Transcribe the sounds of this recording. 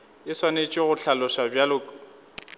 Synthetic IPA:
ɪswanet͡ʃʼɪɣʊɬʰalʊʃabjalʊːkʼ

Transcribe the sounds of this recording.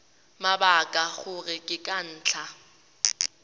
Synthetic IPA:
mabakʼaɣʊrɪkʼɪkʼan̩ːt͡ɬʰa

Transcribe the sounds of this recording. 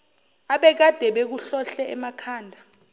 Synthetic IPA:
aɓɛk̬ad̥ʱɛɓek̬uɬɔɬɛɛmakʰaːndʱa

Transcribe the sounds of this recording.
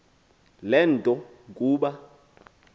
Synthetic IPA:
lɛːntʼɔ | kʼuːɓa

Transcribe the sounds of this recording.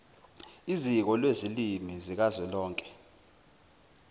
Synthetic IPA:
izik̬ɔlwezilimizik̬azɛlɔːŋkʼɛ̥

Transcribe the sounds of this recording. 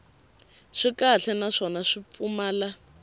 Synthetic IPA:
ʂikaɬɛnaʂɔnaʂip̪fumaːla

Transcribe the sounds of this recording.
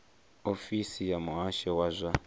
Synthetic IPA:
ofisijamuɦaʃɛwazʷa

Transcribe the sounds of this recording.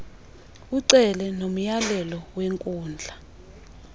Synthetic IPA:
uǀɛlɛnom̩jalɛlɔweŋkʼuːnd͡ɮʱa

